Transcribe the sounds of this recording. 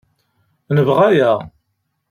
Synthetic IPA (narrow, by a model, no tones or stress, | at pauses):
nəvʁajæ